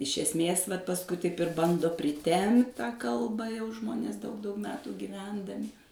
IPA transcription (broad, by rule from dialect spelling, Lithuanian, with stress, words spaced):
ɪʃ ɛsʲˈmʲeːs ʋɐt pɐsˈkʊɪ tɐɪp ɪr ˈbɐndoː pʲrʲɪˈtʲɛmpt tɑː kɐlˠbɐ jɛʊ ˈʒmoːnʲeːs dɐʊk dɐʊk ˈmʲæːtuː ɡʲɪˈʋʲɛndɐmʲɪ